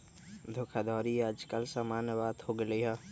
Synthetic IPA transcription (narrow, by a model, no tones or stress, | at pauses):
d̪ʱʊkʰad̪ɔːɾiaːd͡ʒkəlsaːmaːnjəʋaːd̪hoːɡəleɦaː